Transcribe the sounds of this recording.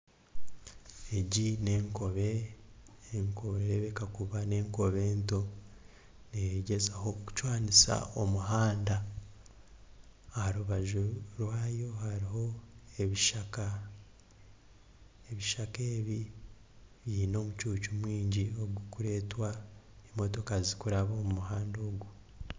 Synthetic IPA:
eɟine̞ːŋko̞βe̞ː | ŋkoβeβekakuβane̞ːŋko̞βe̞ːnto̞ | neheɟe̞zaho̞ku̥cwaːnisa̰omuɦaːnda | haɾuβaʒuɾwaːjo̞haɾiɦo̞eβiʃaka | eβiʃake̞ːβi | βjiːno̞ːmucuːcumwiːɲɟio̞ɡukuɾe̞ːtwa | nimo̞to̞kazikuɾaβo̞ːmumuɦaːndo̞ːɡu

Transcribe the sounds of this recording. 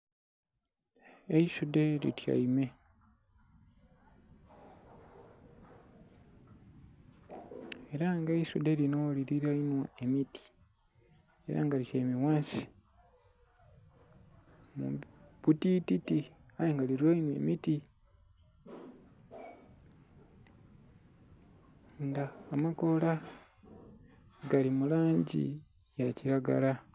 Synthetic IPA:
eisudelḭtja̰ime | e̞ɾaŋɡaisudeɾinoliɾiɾainwaemiti̥ | eɾa̰ːŋɡaɾicajmewaːsi̥ | mṵbutititiajeŋɡaliɾiainwḛmiti | ŋɡaːmako̞la | ɡalimulaːɲɟḭ | jaciɾaɡa̰la

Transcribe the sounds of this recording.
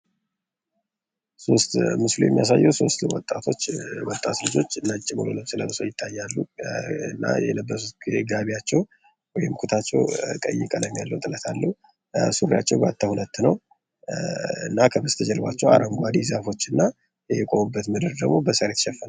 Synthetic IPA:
so̞st̪mɨslujɛ̰mːijas̬ajːɛwso̞st̪wɔt̪ʼːat̪ʰo̞t͡ʃːwɔt̪ʼːat̪lɨd͡ʒo̞t͡ʃːɨnːət͡ʃʼːimolənosɨlə̰mɨsəwjɪt̪ʰːajːalːuɨnːa̰jɛ̰ləbːəs̬ut̪̚ɡizeɡaβiat͡ʃːɛw | wɔjɪmkʰut̪ʰat͡ʃːɛwkʼə̰jːɪkʼələmːjalːəwt̪ʼɨlət̪ʰalːəhu | suɾja̰t͡ʃːɛwba̰t̪ʰːahulət̪ːnəw | ɨ̰nːakʰəbəst̪ʰəd͡ʒɛlβat͡ʃːɛwa̰ɾʔəŋɡʷad̪izafo̞t͡ʃːɨnːa | jɛkʼo̞mubːət̪məd̪ɨɾd̪əɡmo̞bəsəɾet̪ʃɛfːən

